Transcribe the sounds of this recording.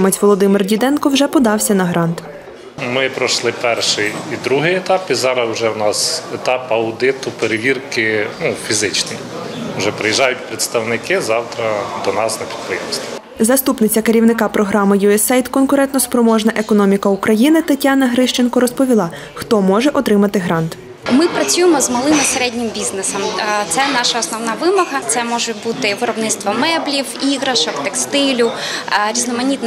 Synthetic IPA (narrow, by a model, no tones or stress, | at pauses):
mɐtʲʋɔlˠɔd̪ɪmɪrdʲid̪ɛnkɔwʒɛpɔd̪ɑwsʲɐnɐɦɾɑnt̪ | mɪpɾɔʃlˠɪpɛrʃɪjid̪ɾuɦɪjɛt̪ɑpizɑɾɐsʊʒɛwnɑset̪ɑpɐʊd̪ɪt̪ʊpeɾeʋʲirkɪnufʲizɪt͡ʃnijwʒɛpɾejiʒɑjʊt̚ʲpɾet̪st̪ɐwnɪkɪzɑwt̪ɾɐd̪ɔnɑsnepʲi̥d̪̚pɾɪjɛ̰mst̪ɔ | zɐst̪upnɪt͡sʲːɐkeɾʲiwnɪkɑpɾɔɦɾɑmɪjuɛsɛjt̪kɔnkʊɾɛnt̪nɔspɾɔmɔʒnɐʔe̞kɔnɔmʲikɐukɾɐjinɪt̪ɐtʲːɑnɐɦɾɪʃt͡ʃenkɔɾɔspɔʋʲilˠɑ | xt̪ɔmɔʒɛʔɔt̪ɾɪmɐt̪ɪɦɾɑnt̪ | mɪpɾɐt͡sʲujɪmɔzmɐlˠɪmiseɾɛdʲnʲɪmbʲiznesɐmt̪sɛnɑʃɐɔsnɔwnɑʋɪmɔɦɐt̪sɛmɔʒɛbut̪ɪʋɪɾɔbnɪt̪st̪ʋɔmɛblʲiwiɣɾɐʃɔkt̪ɛkst̪ɪlʲʊɾʲiznɔmɐnʲit̪n